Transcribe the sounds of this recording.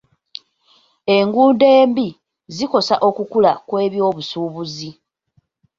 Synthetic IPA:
eŋɡuːnde̞ːmbi | ziko̞saʔo̞kukulakwe̞ːβjo̞ːβusuːβuzi

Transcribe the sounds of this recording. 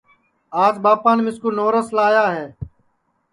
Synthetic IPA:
aːd͡ʒbaːpaːnmɪskuːnoːɾəslaːjaːɦeː

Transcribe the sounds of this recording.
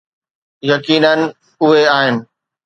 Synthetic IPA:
jɐkiːnənɪ̆ | ʊɦeaːɦɪnɪ̆

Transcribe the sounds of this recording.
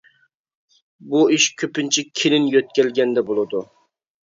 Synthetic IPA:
buiʃkʲʰøpɪnt͡ʃʰɪkʲʰelɪnjøt̪̚kʲɛlɡʲɛnd̪ɛbolˠɨd̪u

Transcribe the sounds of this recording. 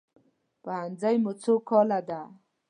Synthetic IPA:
pəhand͡zajmut͡sʰokʰɔlad̪a

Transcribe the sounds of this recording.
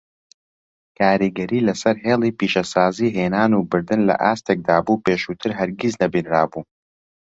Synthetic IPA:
kʰaːɾiɡɐɾiːlɐsɐɾɦeːlˠiːpiːʃɐsaːziːɦeːnaːnuːbɨɾd̪ɨnlɐ̰ʔaːst̪ek̚d̪aːbuːpeːʃuːt̪ʰɨɾɦɐɾɡiznɐbiːnɾaːbuː

